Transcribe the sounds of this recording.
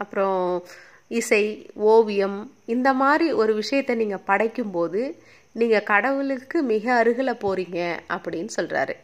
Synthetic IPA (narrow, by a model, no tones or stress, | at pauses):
ɐpːɯɾõ | ɪsɐɪoːʋɪjɐmɪnd̪ɐmaːd̪ɾiʔɔɾɯʋɪʂɐjɐt̪ːɐniːŋɡɐpɐɽɐɪkːɯmpoːðɯ | niːŋɡɐkɐɽɐʋɯɭɯkːɯmɪɣɐːɾɯɣɐɭɐpoːɾiːŋɡɐʔɐpːɐɽɪnːɯsɔlra̰ːɾɯ